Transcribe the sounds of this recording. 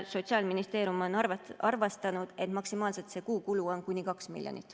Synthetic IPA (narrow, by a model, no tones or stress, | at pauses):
so̞t̪siɑːlminist̪e̞ːɾjumo̞nɑvɑrvɑst̪ɑnud̪̥e̞t̪mɑksimɑːlset̪se̞ːkuːkuluo̞nkunʲikɑksmḭlʲjo̰nʲḭt̪ːˑ